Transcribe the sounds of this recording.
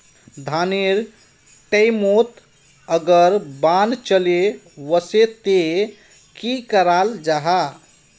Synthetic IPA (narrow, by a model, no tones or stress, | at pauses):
d̪ʱaneɾ | ʈəjmot̪ | əɡəɾbant͡ʃəle | wəset̪e | kikəɾald͡ʒaɦa